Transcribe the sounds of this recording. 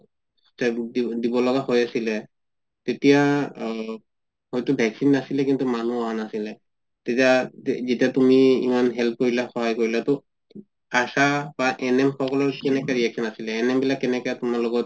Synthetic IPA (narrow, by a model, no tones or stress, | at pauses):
sɛdidibɔlɔɡahojasilɛ | tetija | hojtʊbʱɛksinːasilɛkintumanuɔɦanasilɛ | tetiazetiatumiḭmanɦɛlp̚koɹilaxɔɦajkoɹilatɔ | asab̥aʔɛnɛmxɔkɔlɔɹkɛnɛkɛɹiɛksɔnasilɛːnɛmbilakːɛnɛkɛtumaɹloɡɔt̚